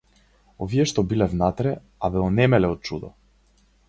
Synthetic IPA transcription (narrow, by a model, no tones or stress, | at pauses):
ɔviɛʃt̪ɔbilɛvnat̪ɾɛ | abɛɔnɛmɛlɛɔt̪̚t͡ʃud̪ɔ